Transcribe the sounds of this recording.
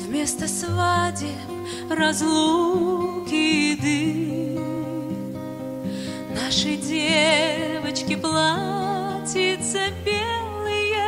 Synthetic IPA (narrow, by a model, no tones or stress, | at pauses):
vmʲest̪əsvadʲɪ | rɐzlˠukʲɪd̪ɨ | naʂəjdʲevət͡ɕkʲɪplˠatʲɪt̪səbʲelˠɨjə